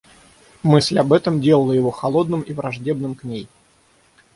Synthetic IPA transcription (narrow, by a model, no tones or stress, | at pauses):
mɨsʲlʲɐbɛt̪əmdʲe̞lˠəlˠəjɪvo̞xɐlˠo̞d̪nɨmivɾɐʐdʲe̞b̚nɨmknʲej